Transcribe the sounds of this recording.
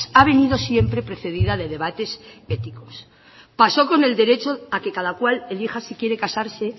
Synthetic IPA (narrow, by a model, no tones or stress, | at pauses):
saβ̞e̞niðo̞sje̞mpɾe̞pɾe̞θe̞ðiðaðe̞ð̞e̞β̞at̪e̞se̞t̪iko̞̥s | paso̞ko̞ne̞ld̪e̞ɾe̞t͡ʃo̞ake̞kaðakwale̞lixasikje̞ɾe̞kasaɾse̞